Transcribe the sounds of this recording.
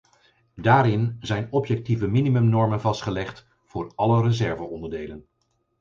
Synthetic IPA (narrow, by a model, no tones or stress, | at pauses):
daːɾɪnzɛjnɔpjɛk̚tivəminimɵmnɔɹmənvɑstχəlɛχt | v̥ʊːɹɑlərəzɛɹvəɔndəɹdejlən